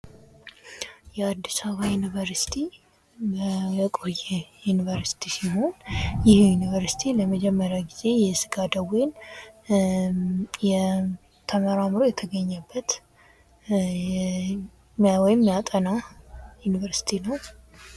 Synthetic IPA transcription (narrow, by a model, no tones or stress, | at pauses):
jɛad̪ːisaβajunivəɾsi̥t̪ʰi | bkʼojɛjunivəɾsi̥t̪ʰisiɦo̞njɪhjunivəɾsi̥t̪ʰiləməd͡ʒɛmːəɾjaɡize̞jɛsɨɡad̪əwen | jɛ | t̪ʰəməɾamɨɾo̞jɛt̪ʰəɡəɲːəbːət̪ | wɔjɪmːjat̪ʼənajunivəɾsi̥t̪ʰinəw